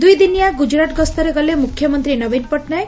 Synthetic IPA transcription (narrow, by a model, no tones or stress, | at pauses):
d̪ujd̪inijaɡud͡ʒɾaʈɡɔst̪ɔɾeɡɔlemukʰjɔmɔnt̪ɾinɔbinpɔʈnae